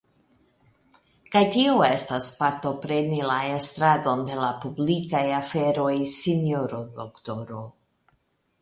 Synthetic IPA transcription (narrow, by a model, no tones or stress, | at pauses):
kajtioe̞staspaɾto̞pɾe̞nilae̞st̪ɾado̞nde̞lapublikajafe̞ɾo̞jsinjoɾodokto̞ɾo̞